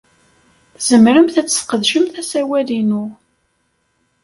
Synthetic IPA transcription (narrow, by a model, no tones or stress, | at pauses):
θz̥əmɾəmθæt͡sːə̥θqəðʃəmθæsæwælinu